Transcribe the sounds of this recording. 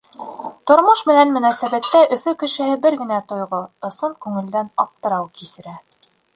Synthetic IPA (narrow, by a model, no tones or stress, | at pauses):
t̪ŏɾmoʃmɘ̆nænmɵ̆næsæβæt̪ːæʔɵ̆fɵkɘ̆ʃɘ̆hɘbɘɾɡɘ̆næt̪ŏjʁoɤ̆sɤɴkʉŋɘ̆ld̪ænɑp̚t̪ɤ̆ɾɑwkisɘ̆ɾæ